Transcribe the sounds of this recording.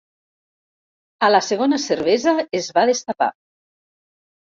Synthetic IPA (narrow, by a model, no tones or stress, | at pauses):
ələseɣ̞onəseɾβɛzəezβaðest̪apa̰